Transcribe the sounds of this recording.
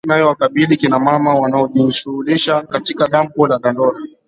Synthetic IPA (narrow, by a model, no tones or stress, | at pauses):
najɔwakaɓilikinamamawanaɔʄiʃuuliʃakatikaɗam̩pɔlaɗandɔɾa